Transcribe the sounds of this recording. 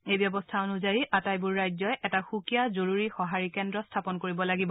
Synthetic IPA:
ejbjɔbɔstʰaonuzajiʔatajbʊɹːajzɔjɛtaxukijazoɹuɹixɔɦaɹikɛndɹɔstʰapɔnkoɹibɔlaɡibɔ

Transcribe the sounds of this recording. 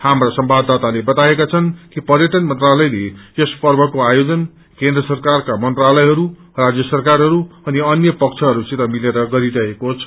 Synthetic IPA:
hamrasʌmbad̪at̪alebʌt̪aekat͡sʰʌnkipʌrjʌʈʌnmʌnt̪ralʌjlejespʌrbʱʌkoajod͡zʌn | kẽnd̪rʌsʌrkarkamʌnt̪ralʌjɦʌɾu | rad͡zjʌsʌrkarɦʌɾuʌniʌnjʌpʌk̚t͡sʰʌɦʌɾut͡sit̪ʌmileɾʌɡʌɾiɾʌɦekot͡sʰʌ̥

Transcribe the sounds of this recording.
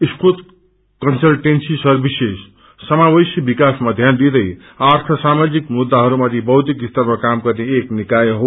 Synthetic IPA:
iskut̪ | kʌnsʌlʈensisʌɾbises | sʌmabʌjsjʌbikasmad̪ʱjand̪id̪ʌj | art̪ʰʌsamad͡zikmud̪ːaɦʌɾumat̪ʰibʌɦt̪ikist̪ʌɾmakamkʌɾneeknikajɦo

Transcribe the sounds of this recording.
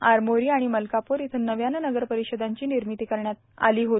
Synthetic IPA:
aɾmoɾiːaɽ̃iməlkapuːɾit̪ʰənəʋjanənəɡəɾpəɾiɕəd̪ʱaɲt͡ɕiːniɾmit̪iːkəɾɳjat̪ | a̰liːɦo

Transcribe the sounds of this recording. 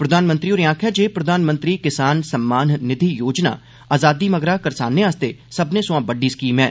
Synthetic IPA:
pɾəd̪ʱaːnmə̃nt̪ɾiːoːɾiãːkʰɛːd͡ʒeːpɾəd̪ʱaːnmə̃nt̪ɾiːkɪsaːnsəmːaːnːɪd̪ʱiːjoːd͡ʒna̰ː | aːzaːd̪iːməɡɾaːkəɾsa̰ːnːẽːaːst̪eːsəbnẽːsʊãːbəɖiːsə̥kiːmɛː

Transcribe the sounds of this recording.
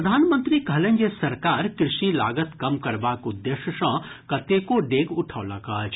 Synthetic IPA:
d̪ʱaːnmə̃nt̪ɾikɐlə̃ŋɡesɐɾkaːɾkɾɪʃila̰ːɡət̪kɐmkɐɾbaːkʊd̪ːeːʃəʃɐ̃kɐt̪ekoɖeːɡʊʈʰaːla̰kaːt͡ʃ

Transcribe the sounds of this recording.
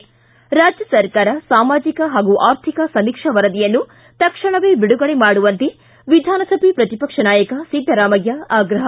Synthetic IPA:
ɾaːd͡ʒjɐsɐɾkaːɾɐsaːmaːd͡ʒikɐɦaːɡuʔaːɾt̪ʰikɐsɐmikʂɐʋɐɾɐd̪ijɐnːu | t̪ɐkʂɐɳ̃ɐʋeːbiɽuɡɐɭemaːɽuʋɐnt̪i | ʋid̪ʱaːnɐsɐbʱipɾɐt̪ipɐkʂɐnaːjɐkɐsiɡ̪ɐɾaːmɐɡjɐaːɡɾɐɦɐ

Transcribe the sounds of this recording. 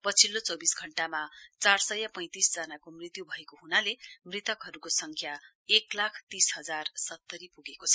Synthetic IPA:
pʌt͡sʰilːot͡sʌbisɡʱʌɳʈamat͡sarsʌjapʌ̃j̃t̪isd͡zʌnakomrit̪jubʱʌekoɦunalemrit̪ʌkɦʌɾukosʌŋkʰja | eklakʰt̪isɦʌd͡zarsʌt̪ːʌɾipuɡekot͡sʰʌ

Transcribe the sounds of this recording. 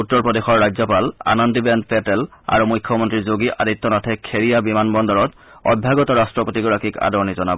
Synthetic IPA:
utːɔɹpɹɔdexɔɹːajzɔpala̰nɔndibɛndpɛtɛla̰ɹumujkʰːɔmɔntɹizoɡiʔadit̪ːɔnɔtʰɛkʰeɹijabimanbɔndɔɹɔt | ɔ̰bʱjaɡɔtɔɹastɹɔpotiɡɔɹakika̰dɔɹɔnizɔnabɔ

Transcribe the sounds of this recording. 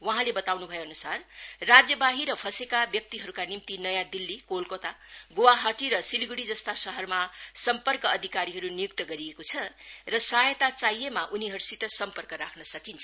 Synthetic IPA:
wʌɦãlebʌt̪awnubʱʌjeʌnusarrad͡zjʌbaɦiɾʌpʰʌsekabjʌk̚t̪iɦʌɾukanimt̪inʌjãd̪ilːikolkot̪aɡowaɦaʈiɾʌsiliɡuɽid͡zʌst̪asʌɦʌrmasʌmpʌrkʌːd̪ʱikaɾiɦʌɾunijuk̚t̪ʌɡʌɾiekot͡sʰʌrʌsajet̪at͡sajemaʔuniɦʌɾusit̪ʌsʌmpʌrkʌɾakʰnʌsʌkint͡sʰʌ

